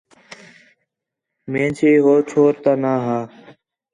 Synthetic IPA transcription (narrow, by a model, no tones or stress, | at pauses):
mẽːt͡ʃʰeːɦoːt͡ʃʰoːɾt̪aːnaːɦaː